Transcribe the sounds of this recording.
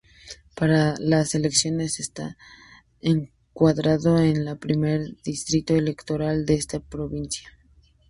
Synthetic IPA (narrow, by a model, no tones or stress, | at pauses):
paɾalase̞le̞ksjo̞ne̞sest̪a̰ | eŋ | kwaðɾaðo̞enlapɾime̞ɾðist̪ɾit̪oele̞kt̪o̞ɾald̪eest̪apɾo̞βinsja